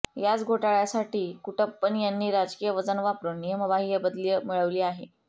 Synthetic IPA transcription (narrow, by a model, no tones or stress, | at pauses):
jat͡sɡʱoʈaɭjasaʈiːkuʈəpːənjanːiːɾad͡zkijəʋəd͡zənʋapɾənijəməʋaɦijabəd̪liəmiɭəʋliːaɦḛ